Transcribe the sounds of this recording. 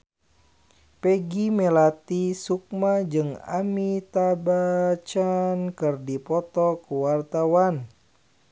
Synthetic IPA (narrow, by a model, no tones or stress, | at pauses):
pɛɡimɛlat̪isuk̚mad͡ʒɨŋa̰mit̪abat͡ʃankɨrdipɔt̪ɔkuwart̪awan